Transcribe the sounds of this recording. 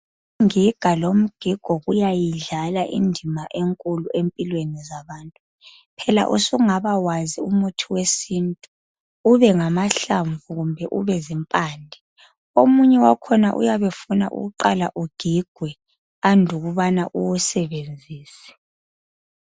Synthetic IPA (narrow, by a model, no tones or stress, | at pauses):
ŋiɡ̥ʱalom̩ɡ̥ʱiɡ̥ʱɔɣujajiɮalaʔḭndʱimaʔeŋkʼuluempʼilwenizaβaːntʼu | pʰɛla̰ʔusuŋaβawaziumutʰiwesintʼu | uβɛŋamaɬaɱvuɣumbʱɛʔṵβɛzimpʼaːndʱi | omuɲɛwakʰɔna̰ʔṵjaβefuna̰ʔṵɣuǃala̰ʔuɡ̥ʱiɡ̥ʱwɛ | andʱuɣuβana̰ʔuwusɛβend͡zʱiːsɛ̥